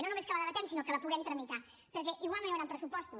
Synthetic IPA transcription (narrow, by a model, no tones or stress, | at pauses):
nonumeskələðəβət̪ɛmsinokələpuɣɛmt̪ɾəmit̪a | pəɾk̬ɛʔiɣwalˠnojawɾampɾəsupɔst̪u